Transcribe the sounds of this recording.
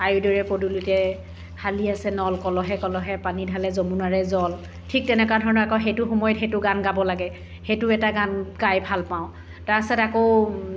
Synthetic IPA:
ajudɔɹɛpodulutɛ | haliasɛnɔlkɔlɔɦɛkɔlɔɦɛpanidʱalɛzomunaɹɛzɔl | tʰik̚tɛnɛkadʱɔɹɔnɔɹakɔxejtʊxɔmɔjɔtxejtʊɡanɡabɔlaɡɛ | xejtʊɛtaɡankajbʱalpaʊ̃ | taɹasatakoʊ

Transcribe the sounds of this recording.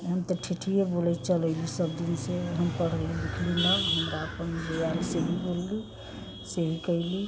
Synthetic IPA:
ɦəmt̪əʈʰiʈʰijebolɛt͡ʃəlɛɪlisəb̚d̪inseɦəmkəɽəlib̪ikʰlinəɡɦəmɾaəpənmebejaliseɦibolːi | seɦikəɪli

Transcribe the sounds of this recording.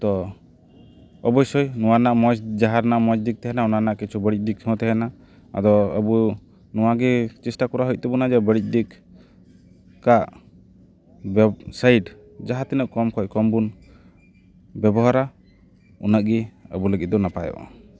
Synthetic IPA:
t̪ɔ | ɔbɔjsɔjnɔwanaʔmɔjsd͡ʒaɦaɾnaʔmɔjsd̪ik̚t̪ɛɦɛnaunanaʔkit͡ʃʰubəɽic̚ˀdikʰɔ̃t̪ɛɦɛna | a̰d̪ɔəbu | nuwaɡit͡ʃisʈakuɾaɦujʔ̚t̪ɛbunad͡ʒɛbəɽic̚ˀdik | kaʔ | bɛbsajʈ | d͡ʒaɦat̪inəʔkɔmkʰɔckɔmbun | bɛbɔɦaɾa | ṵnəʔɡiə̰buləɡɛʔ̪̚d̪ɔnapa̰jɔ̰ʔa̰

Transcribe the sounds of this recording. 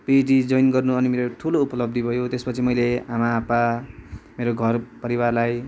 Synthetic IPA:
pedid͡zʌjnɡʌrnuʌnimeɾoʈʰuloupʌlʌb̚d̪ʱibʱʌjot̪espʌt͡sʰimʌjleamaːpa | meɾoɡʱʌrpʌɾiwarlaj

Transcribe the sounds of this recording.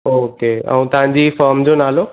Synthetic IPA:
oːkeɛ̰̃ũt̪ɐʋ̤ãɲd͡ʑifɔːɾmd͡ʑonaːlo

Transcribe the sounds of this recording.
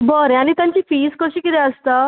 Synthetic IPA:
bəɾeañit̪jãɲt͡ɕiːfiːskəɕiːkit̪ɛəst̪ə

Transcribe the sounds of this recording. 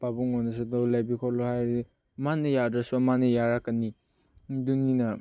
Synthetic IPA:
babuŋɔnɐs̬udɔlajbikʰɔlohajɾi | manɐjadasamanɐjaɾakːɐni | duninɐ

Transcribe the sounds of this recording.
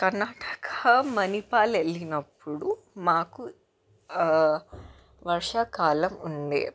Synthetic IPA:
kɐɾnːaːʈɐ̥kɐɐmɐnipaːlelːinɐpːuɽu | maːku | ʋɐɾʂaːkaːlɐmuɳɖḛː

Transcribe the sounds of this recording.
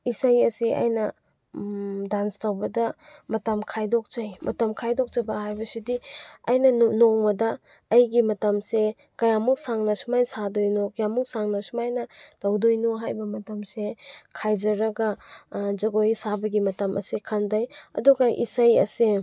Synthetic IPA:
isajɐsiʔa̰jnɐ | danstawbɐdɐmɐtɐmkʰajdɔk̚t͡ʃajmɐ̰tɐmkʰajdɔk̚t͡ʃɐbɐɦajbɐsidiɐjnɐnoŋmɐdɐː | jɡimɐtɐmse | kɐjamuk̚saŋnɐsumajsadojnokɐjamuk̚saŋnɐsumajnɐtɐwdojnoɦajbɐmɐtɐmsekʰajd͡ʒɐɾɐɡɐd͡ʒɐɡojsabɐɡimɐtɐmʔɐ̰sikʰandajɐ̰duɡɐʔḭsajɐ̰se

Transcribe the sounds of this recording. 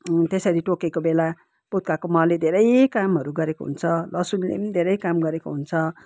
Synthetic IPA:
t̪esʌɾiʈokekobela | put̪̚kakomaled̪ʱeɾʌjkamɦʌɾuɡʌɾekoɦṵnt͡sʰʌlʌsunlḛd̪ʱeɾʌjkamɡʌɾekoɦunt͡sʰʌ

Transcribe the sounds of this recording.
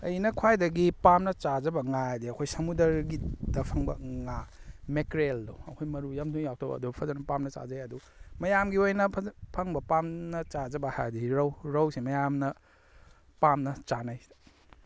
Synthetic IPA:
ɐjnɐkʰwajdɐɡipamnɐt͡ʃazɐbɐŋadiɐkʰojsɐmudɐɾɡidɐpʰɐŋbɐ̰ŋamekɾeldɐwɐkʰojmɐɾujamduŋjawk̚tʰɐbɐ̰ɐ̰dubpʰɐzɐnɐpamnɐt͡ʃa̰zajɐdu | mɐjamɡiojnɐpʰɐŋbɐpamnɐt͡ʃazɐbɐha̰jdiɾɐwɾɐwsimɐjamnɐ | pamnɐt͡ʃanaj

